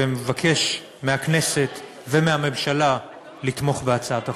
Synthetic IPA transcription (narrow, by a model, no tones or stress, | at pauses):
emevakʰe̞ʃ | meaknese̞t | vemeame̞mʃala | lit̪mo̞χbeat͡saata